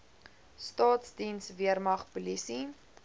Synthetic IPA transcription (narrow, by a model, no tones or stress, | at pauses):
stɑːtsdinsviərmɐχpulisi